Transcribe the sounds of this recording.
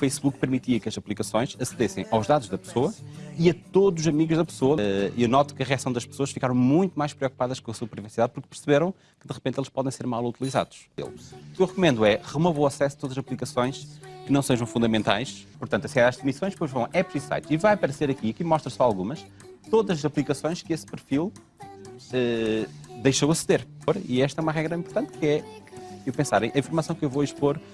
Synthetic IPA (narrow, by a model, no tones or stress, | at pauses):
ufɐjsβuk̚pɨɾmit̪iɐkɐzɐplˠikɐsõj̃ʃɐsɨðesɐ̃j̃ʔawʒðaðuʒðɐpsoɐiɐt̪oðuzuzɐmiɣuʒðɐpsoɐiewnɔt̪u̥kɨɐʁiasɐ̃w̃d̪ɐʃpɨ̥soɐʃfikaɾɐ̃w̃mũj̃t̪umajʃpɾiɔkupaðɐʃkõɐsuɐpɾivɐsiðað̚puɾk̚pɨɾsɨβeɾɐ̃w̃ | kɨðɨʁɨpẽnt̪elˠʃpɔðẽj̃seɾmalˠut̪ilˠiza̰ðu̥ʃ | ḛlˠuukewʁɨkumẽnd̪uɛʁɨmɔvowɐsɛsɐt̪oðɐzɐzɐplˠikɐsõj̃ʃkɨnɐ̃w̃seʒɐ̃w̃fũnd̪ɐmẽnt̪a̰jʃpuɾt̪ɐ̃nt̪ɐsiaðaʒd̪fnisõj̃ʃpojʒvɐ̃w̃ɛpɾisa̰jt̪ʃivajpɐɾɐseɾɐkiɐkimɔʃt̪ɾɐ̃sɔalˠɣumɐʃ | t̪oðɐzɐzɐplˠikɐsõj̃ʃkɨespɨɾfilˠ | ɛ | d̪ejʃowɐsɨðeɾfoɾiɛʃt̪ɐɛumɐʁɛɣɾɐĩpuɾt̪ɐ̃nt̪̚kɨɛkewpẽsaɾɐ̃j̃ʔɐĩfuɾmɐsɐ̃w̃kewvoiʃpoɾ